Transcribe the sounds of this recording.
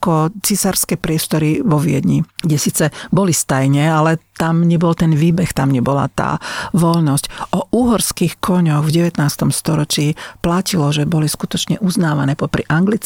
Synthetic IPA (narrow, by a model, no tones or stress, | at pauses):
kɔt͡sisaɾskɛpɾɪɛst̪ɔɾiʋɔʋɪɛ̰d̪ɲiɡɟɛsiːt͡sɛbɔlist̪ajɲɛalɛt̪amɲɛbɔlt̪ɛnʋiːbɛxt̪amɲɛbɔla̰t̪a̰ːʋɔʎnɔscʔɔʔuːɦɔɾskixkʰɔɲɔɣvɟɛʋɛt̪naːst̪ɔmst̪ɔɾɔt͡ʃiːplacilɔʒɛbɔliskut̪ɔt͡ʃɲɛʔuznaːʋanɛːpɔpɾiʔaŋɡlit͡s